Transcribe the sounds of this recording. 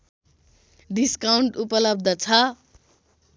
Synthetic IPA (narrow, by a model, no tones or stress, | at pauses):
ɖiskawɳʈupʌlʌb̚d̪ʱʌt͡sʰʌ